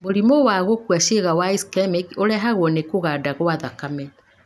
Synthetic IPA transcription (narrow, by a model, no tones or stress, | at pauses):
boɾimowaɣokwaʃeɣawaiskɛmikoɾɛɦaɣwɔnekoɣaːdaɣwaðakamɛ